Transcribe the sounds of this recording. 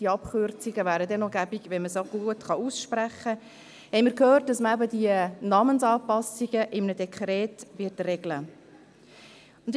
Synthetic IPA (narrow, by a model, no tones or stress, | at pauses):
d̥iəɑpχʏɾt͡siɡəvæːɾədɛnɔɡæbiɡʋɛnməsoɡ̥uətχɑusʃpɾæχːə | hɛɪmiːɾkhøːrt̚dɑsməæbədiənɑːmənsɑːpɑsiɡəʔɪmənədɛkʰχɾɛːtvɪtrɛɡ̥lə | ʊnd